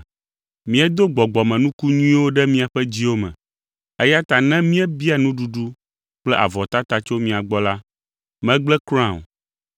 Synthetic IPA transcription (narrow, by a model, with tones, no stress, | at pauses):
mĩ˦ɛ˦d̪o˦ɡ͡bɔ˨ɡ͡bɔ˨mɛ̃˨nũ˦ku˦ɲũ˦ĩ˦wo˦ɖɛ˦mĩ˦a˨ɸɛ˦d͡ʑi˦wo˦mɛ̰̃˨ | ɛ˦ja˦t̪a˨nɛ̃˦mĩ˦ɛ˦bi˦a˨nũ˦ɖu˨ɖu˦ | k͡plɛ˦ʔa̰˨vɔ˨t̪a˦t̪a˦t͡ʃo˦mĩ˨a˨ɡ͡bɔ˦la˦ | mɛ̃˦ɡ͡blɛ˦kɾ̃ã˦˨o̰˨